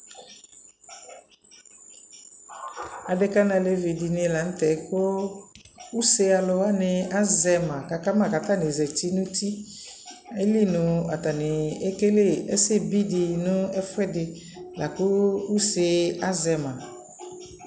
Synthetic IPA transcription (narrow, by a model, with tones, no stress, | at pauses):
a˨dɪ˦ka˦nã˨le˦vi˨di˨nɪ˦la˨˦n̩˦t̪ɛ˨˦kʊ˦ | u˦se˦a˨lʊ˧wa˦nɪ˨a˦zɛ˨mã˨ka˨ka˦mã˨ka˨t̪a˦nɪ˨zɛ˨ti˦nʊ̃˦t̪i˦ | e˦li˦nʊ̃˨a˨t̪a˨nɪ˨e˦ke˦le˦˨ɛ˦sɪ˦bi˦dɪ˨nʊ̃˦ɛ˦fʊ˦ɛ˦dɪ˨ | la˨kʊ˦u˦se˦a˦zɛ˨mã˨